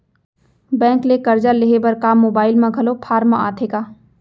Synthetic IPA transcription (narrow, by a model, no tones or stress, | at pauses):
bɛ̃ːŋklekɐɾd͡ʒaleɦebɐɾkaːmːoːbaːɪlmãɡʱɐlopʰaːɾmãaːt̪ʰeːkaː